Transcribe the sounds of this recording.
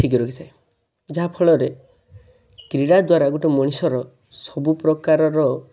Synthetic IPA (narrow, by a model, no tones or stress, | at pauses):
ʈʰik̬iɾokʰi̥t̪ʰae | d͡ʒaɦapʰɔɭɔɾe | kɾiɽad̪waɾaɡoʈemɔɽ̃isɔɾɔ | sɔbupɾɔkaɾɔɾɔ